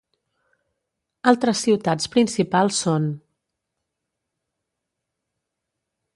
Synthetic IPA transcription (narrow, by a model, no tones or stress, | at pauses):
alˠt̪ɾəsːiwt̪at͡spɾinsipalˠsːon